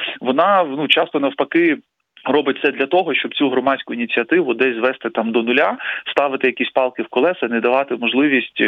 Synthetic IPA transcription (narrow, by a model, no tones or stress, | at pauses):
ʋɔnɑnut͡ʃɑst̪ɔnɐwpɐkɪ | rɔbɪt̪̚ʲsɛd̪lʲɐt̪ɔɦɔʃt͡ʃɔbt͡sʲuɦɾɔmɑdʲsʲkʊinʲit͡sʲiɐt̪ɪʋʊd̪ɛzʲzʋɛst̪ɪt̪ɑmd̪ɔnʊlʲast̪ɑʋɪt̪ɪjɐkʲisʲpɑlˠkɪwkɔlˠɛsɐnɛd̪ɐʋɑt̪ɪmɔʒlˠɪʋʲisʲtʲ